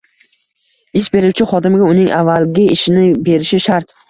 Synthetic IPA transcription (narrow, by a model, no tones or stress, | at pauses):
ɪsbe̞ɾɪwt͡ʃʰɪχɒd̪ɪmɪɡʲaʊnɪŋʔavːalɡʲɪɪʃɪnɪbe̞ɾɪʃɪʃaɾt̪